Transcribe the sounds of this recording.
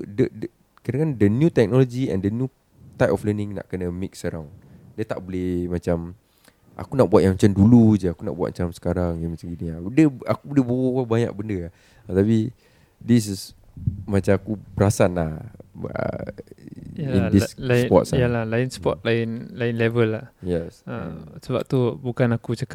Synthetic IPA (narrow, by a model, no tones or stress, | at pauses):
dədə | kadakandənjut̪ɛk̚nɔlod͡ʒiɛ̰̃ndənju | t̪ajtɔflənĩŋna̰ʔkənəmiksəɾawndiət̪a̰ʔbolehmat͡ʃam | ʔa̰kunaʔbuat̪ʔ̚jãŋmat͡ʃamdulud͡ʒəakuna̰ʔbuat̪̚mat͡ʃamsə̥kaɾaŋjaŋmat͡ʃamɡuniadəakubolɪhbowɔabaɲa̰ʔ̚bəndəa | t̪api | dis̬s | mãt͡ʃamakubəɾasanlahə̰ | indilaspɔ̰t̚salahlaɪnspɔ̰t̪̚laɪnlaɪnlevəlajɛsə̰səba̰p̚t̪ubukanakut͡ʃəka